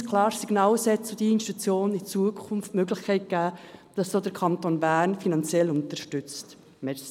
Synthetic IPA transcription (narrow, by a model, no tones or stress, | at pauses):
kʰlɑːɾsiɡnɑːlsɛtod̥̪iəinʃtut͡sjoːnit͡suəkʰʊnftmøɡlɪχkʰɛɪt̚ɡ̥æːd̥ɑsd̥oːd̪əɾkʰɑnt̪oːnbæːnfinɑnt͡sjɛlʊnt̪əɾʃtʏt͡st | mɛ